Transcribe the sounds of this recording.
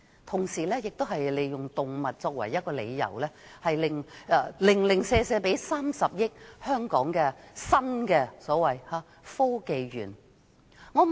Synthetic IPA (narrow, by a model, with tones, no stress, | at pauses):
t̪ʰʊ˨˩ŋsiː˨˩lɛː˥jɪ˨k̚t̪o˥wɦɐ˨jle˨˧jjʊ˨˩ŋt̪ʊ˨˩ŋmɐ˨t̚t͡sɔː˧k̚wɐ̰˨˩jːɐ˥t̚kɔː˧le˨˧jːɐ̰˨˩wlɛː˥hɐ˨jlɪ˨ŋː˧lɪ˨˩ŋlɪ˨˩ŋseː˧sɛː˧pe˨˥jsaː˥msɐ˨p̚jɪ˥k̚hœː˥ŋkɔː˨˥ŋkɛː˧sɐ˥nkɛː˧sɔː˨˥wɐ˨jaː˨˧ | fɔː˥ke˨˧jɥyː˨˩n | ŋɔː˨˧